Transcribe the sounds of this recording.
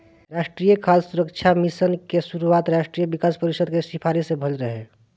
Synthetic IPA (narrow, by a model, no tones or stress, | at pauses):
ɾaːʃʈɾijəkʰaːlsuɾəkt͡ʃʰamisənkesuɾuaːt̪ɾaʃʈɾijəbikaːspəɾisəd̪kesipʰaɾisebʱəlɾəɦe